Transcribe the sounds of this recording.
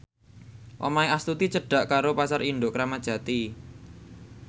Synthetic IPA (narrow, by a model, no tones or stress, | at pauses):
ʔo̰maiast̪ut̪it͡ʃəɖ̥ä̤ʔkaɾopasarinɖ̪ʊʔkɾamad̥ʒ̥ä̤t̪i